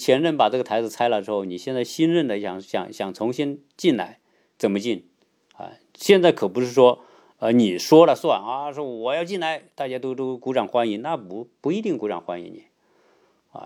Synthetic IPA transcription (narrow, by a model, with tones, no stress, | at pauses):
t͡ɕʰjɛ˧˥nɻə˥˩npa˨˩ʈ͡ʂɤ˥˩ɡət̪ʰa˧˥ɪd͡zɹ̩˧t͡sʰa˥ɪlə˨˩ʈ͡ʂɻ̩˧˥xo˥˧ʊni˨˩ɕjɛ˥˧nt͡sa˥˩ɪɕi˥nɻə˥˩nd̪ə˩˧˩jɑ̰˨˩ŋɕjɑ̰˨˩ŋɕjɑ˨˩ŋt͡sʰʊ˧˥ŋɕi˥n | t͡ɕi˥˩nla̰˧˥ɪ | t͡sə˨˩nmə˦t͡ɕi˥˩n | ɐ̰˧˩ | ɕjɛ˥˧nt͡sa˥˩ɪkʰɤ˨˩pu˧˥ʂɻ̩˥˩ʂwɔ˥ | ə˧ni˨˩ʂwɔ˥lə˨swa˥˩na˧ʂwɔ˥wɔ˨˩jɑ˥˧ʊt͡ɕi˥˩nla˧˥ɪt̪a˥˧˩t͡ɕja˥t̪o˥ʊt̪o˥ʊ˧ku˧˥ʈ͡ʂɑ˨˩ŋxwa˥ni˧˥nna˥˧pu˧˥pu˧˥i˧˥t̪i˥˩ŋku˧˥ʈ͡ʂɑ̰˨˩ŋxwa˥nḭ˧˥nni˨˩˦ | a̰˧